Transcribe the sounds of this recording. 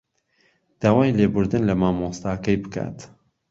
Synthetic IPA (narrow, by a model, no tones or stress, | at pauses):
d̪̥aːwaːjleːbʊɾd̪ɨnlɐmaːmoːst̪aːkɛjbɨka̰ːt̪